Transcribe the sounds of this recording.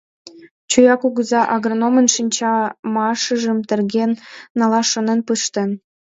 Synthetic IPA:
t͡ɕujɑkuɣə̆zɑʔɑɣronomə̆nʃinʲt͡ɕɑmɑʃə̆ʒə̆mt̪ə̆rɣenːɑlɑʃə̆nə̆npɯʃt̪ə̆n

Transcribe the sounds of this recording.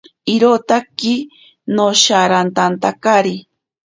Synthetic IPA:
iɾot̪aki | noʃaɾant̪ant̪akaɾi

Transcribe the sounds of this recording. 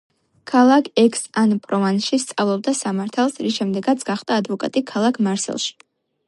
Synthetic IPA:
kʰalˠakʰɛksanpʼɾɔvanʃist̪sʼavlˠɔb̚d̪asamaɾt̪ʰalˠsɾisʃɛmd̪ɛɡat̪sʰɡ̥aχd̪aːd̪vɔkʼa̰t̪ʼikʰalˠakʰmaɾsɛ̰lˠʃi̥

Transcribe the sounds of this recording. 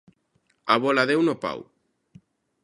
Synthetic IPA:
aβolaðewnopa̰w

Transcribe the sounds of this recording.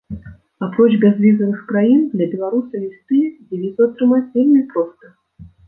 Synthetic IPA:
apɾɔt͡ʃbʲɛzvʲizɐvɨxkɾajind̪lʲɐbʲɛlˠaɾusɐvʲist̪ɨd͡zʲivʲizɐɐt̪ɾɨmat͡sʲvʲelʲmʲɛpɾɔst̪ɐ

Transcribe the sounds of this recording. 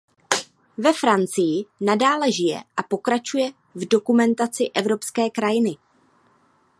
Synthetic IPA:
vɛfɾant͡sɪjɪnadaːlɛʒɪjɛ̰ʔapo̞kɾat͡ʃujɛ | vdo̞kumɛnt̪at͡sɪʔɛvɾo̞pskɛːkɾajɪnɪ

